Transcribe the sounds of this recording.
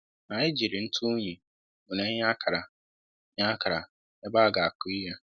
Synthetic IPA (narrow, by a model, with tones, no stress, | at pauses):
na˨ɲɪ˦d͡ʒi˨ɾɪ˨n̩˦tʰʊ˦ɲi˨ | ʊ˨ne˦ɲ˦a˦kʰa˨ɾa˨ | ɲa˦ka˨ɾa˨ | e˦ba˦˨ɡa˨a˨ku˦i˦ja˦